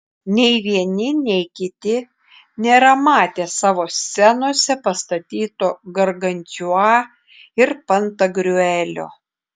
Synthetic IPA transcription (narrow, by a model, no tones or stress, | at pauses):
nʲɛɪʋʲiɛnʲɪnʲɛɪkʲɪt̪ʲɪ | nʲɛɾɐmɑːt̪ʲeːsɑːʋoːsʲɛnoɔsʲɛpɐst̪ɐt̪ʲiːt̪oːɡɐɾɡɐnʲt̪ʲʊɑː | ɪɾpɐnt̪ɐɡɾʲʊɛlʲo̰ː